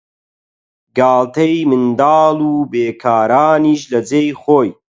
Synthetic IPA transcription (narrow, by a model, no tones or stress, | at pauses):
ɡaːlt̪ʰejmɨnd̪aːluːbeːkʰaːɾaːniːʃlɐd͡zejxoːj